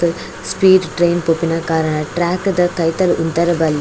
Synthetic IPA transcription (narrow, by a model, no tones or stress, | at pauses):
ɯ | spiːɖʈɾejnpoːpːinɐkaːɾɐɳɐʈɾaːkːɯd̪ɐt̪ɐjt̪ːɐlʊnt̪ːɐɾɐbɐlː